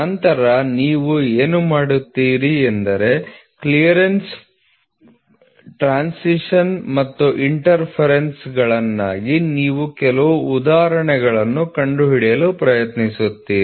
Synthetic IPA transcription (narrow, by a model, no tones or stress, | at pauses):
ɐnt̪ɐɾɐniːʋueːnumaːɽut̪ːiːɾiend̪ɐɾe̞klijɐɾens | ʈɾaːnsiʂɐnmɐt̪ːuʔiɳʈɐɾpʰɐɾensɡɐɭɐnːaːɡiniːʋukɛlɐʋuːd̪aːɾɐɳɛɡɐɭɐnːukɐɳɖuɦiɽjɐlupɾɐjɐt̪nisut̪ːiːɾi